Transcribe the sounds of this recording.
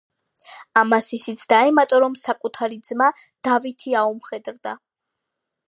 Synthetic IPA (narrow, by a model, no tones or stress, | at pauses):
amasisit̪sʰd̪̥aɛmat̪ʼɔɾɔmsakʼut̪ʰaɾid̪zma | d̪̥avit̪ʰiaumχɛd̪ɾd̪a